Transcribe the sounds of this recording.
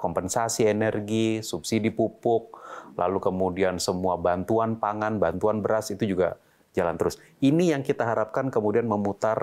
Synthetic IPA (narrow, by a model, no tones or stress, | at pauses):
kɔmpɛnsasienɛrɡisupsidipupʊk̚la̰lukəmudiansəmuabant̪uanpaŋanbant̪uanbəɾasit̪ud͡ʒuɡa̰ | d͡ʒala̰nt̪əɾʊs | inijaŋkit̪aɦaɾap̚kankəmudianməmut̪ar